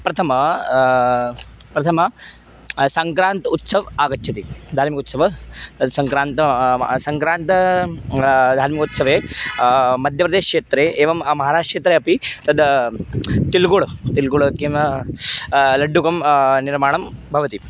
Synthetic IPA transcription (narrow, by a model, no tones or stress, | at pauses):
pɾɐt̪ʰɐmɐ | pɾɐt̪ʰɐmɐ | sɐŋkɾaːnt̪ut̪sɐʋaːɡɐt͡ʃːt͡ʃʰɐt̪id̪ʱaːɾmikut̪sɐʋɐt̪ɐd̪sɐŋkɾaːnt̪ɐsɐŋkɾaːnt̪ɐ | d̪ʱaːɾmikut̪sɐʋeː | mɐd̪ʱjɐpɾɐd̪eːʃkt͡ʃeːt̪ɾeːʔeːʋɐmmɐɦaːɾaːʂʈʂeːt̪ɾeːɐpit̪ɐd̪ | t̪ilɡoɭt̪ilɡuɭkem | lɐɖːukɐmniɾmaːɳɐmbʱɐʋɐt̪i